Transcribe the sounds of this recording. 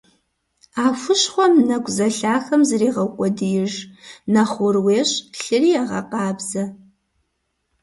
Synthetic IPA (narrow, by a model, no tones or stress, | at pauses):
aːfʷʊɕχʷɔmnɐkʷʼzɐɬaːxɐmzɨriːʁɐkʷʼɔdɨjɪʒnɐχʷʊrweːɕɬɨrijɛʁɐ̰qɑːbzɐ